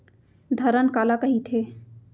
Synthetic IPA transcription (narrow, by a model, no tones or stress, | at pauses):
d̪ʱəɾənkaːlakəɦit̪ʰe